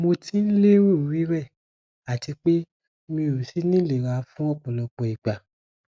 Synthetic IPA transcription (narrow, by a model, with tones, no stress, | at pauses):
mo˧ti˦n̩˦le˦wo˦˨ɾi˨˦ɾɛ˦˨ | a˨ti˧k͡pe˦ | mĩ˧˨ɾo˨si˨˦nĩ˦le˨ɾa˧fũ˦ɔ˦˨k͡pɔ˨lɔ˧k͡pɔ˨i˨ɡ͡ba˨